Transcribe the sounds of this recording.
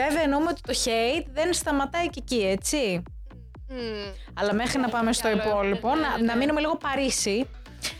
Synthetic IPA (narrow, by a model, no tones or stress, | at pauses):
eveɐnoumeo̞t̪i̥t̪o̞çeit̪ðe̞nst̪ɐmɐt̪ɐice̞cie̞t͡si | ɐlɐme̞xɾinɐpɐme̞st̪o̞ipo̞lipo̞nɐnɐminume̞liɣo̞pɐɾisi